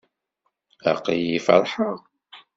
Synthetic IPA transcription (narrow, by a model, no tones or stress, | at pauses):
æqijifɑ̰ɾˤħəʁ